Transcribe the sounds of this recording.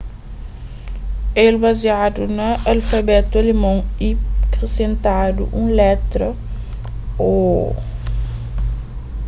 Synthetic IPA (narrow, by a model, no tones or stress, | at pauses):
elbaziad̪unɐalfɐbɛt̪olemɐ̃w̃ikɾesẽnt̪ad̪ṵʔũlɛt̪ɾɐ | o